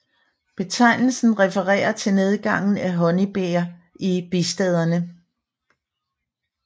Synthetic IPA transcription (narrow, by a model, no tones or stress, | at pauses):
b̥e̝t͡sʰɑ̈ɪ̰nl̩sn̩ʁɛfəʁɛ̰ːɐt͡sʰe̝ne̝ð̞ˠɡ̥ɑ̈ŋ̰n̩æɦɒ̽nib̥ḛɐ | ʔib̥isd̥ɛð̞ˠɐnə